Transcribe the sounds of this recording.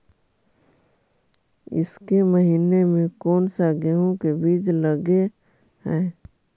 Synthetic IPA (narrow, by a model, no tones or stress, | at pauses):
ɪ̰skeməɦiːnemẽkɔːnsaɡeɦõkebiːd͡ʒləɡe | hɛ̃ː